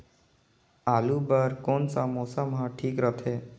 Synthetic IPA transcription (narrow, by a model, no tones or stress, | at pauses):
alubaɾkonsamosəmɦãʈʰiːkɾət̪ʰe